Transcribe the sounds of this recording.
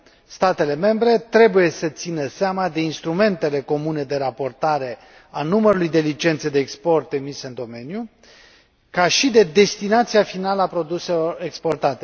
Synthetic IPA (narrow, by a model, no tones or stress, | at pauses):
st̪at̪e̞le̞me̞mbɾe̞t̪ɾe̞buje̞sət̪sinəseamad̪e̞inst̪ɾume̞nt̪e̞le̞ko̞mune̞d̪e̞ɾapo̞rt̪aɾe̞ | anuməɾulujd̪e̞lit͡ʃe̞nt̪sed̪e̞ːkspo̞rt̪emiseɨnd̪o̞me̞nju | kaʃid̪e̞d̪e̞st̪inat̪sijafinaləapɾo̞d̪use̞lo̞re̞kspo̞rt̪at̪e̞